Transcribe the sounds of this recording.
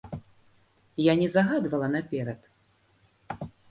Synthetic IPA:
janʲɛzaɣad̪vɐlˠɐnapʲɛɾɐt̪

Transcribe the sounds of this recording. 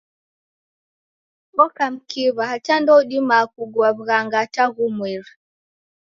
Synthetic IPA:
βɔkam̩kiβahat͡ʃandɔɗimakuɡwaβɣaŋɡataɣumwiɾa

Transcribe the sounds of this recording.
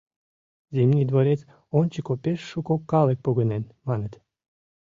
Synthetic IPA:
zimnʲid̪voɾet͡s | ont͡ɕikopeʃːukokːɑlˠek̚poɣonenmɑnət̪

